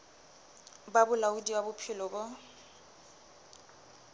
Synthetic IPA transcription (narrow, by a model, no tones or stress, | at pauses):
babʊlaʊdiwabʊpʰɪlɔbʊ